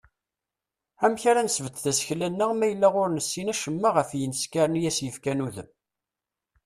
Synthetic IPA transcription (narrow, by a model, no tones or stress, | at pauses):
æmçaɾanəsvət̪θæsçlænːæʁmæjəlːæʁʊɾnəsːinæʃəmːaʁəfjənskaɾənjæsjəfkænuðəm